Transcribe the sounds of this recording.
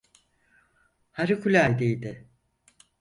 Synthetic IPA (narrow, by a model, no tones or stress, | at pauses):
haɾikʰulʲaːjd̪ejd̪ɪ